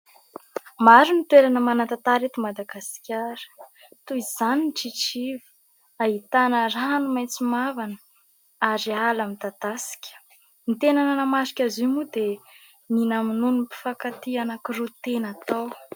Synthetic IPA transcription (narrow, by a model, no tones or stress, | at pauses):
maɾinit̪weɾanəmanat̪at̪aɾet̪imad̪aɡaskʲaɾə̥ | t̪uiz̥aninʈ͡ʂiʈ͡ʂivə̥ | aɦit̪anəɾaɦanumajnt͡simavanə̥ | aɾialamit̪ad̪̥asi̥kʲə̥ | nit̪enananəmasi̥kʲazimud̪e | ninaminunipi̥fakat̪ianakiɾut̪enat̪aw